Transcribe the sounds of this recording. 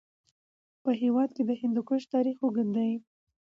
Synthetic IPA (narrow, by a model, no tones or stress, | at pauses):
pəɦewɑd̪ked̪əhɪnd̪okəʃt̪ɑɾixoɡəd̪aj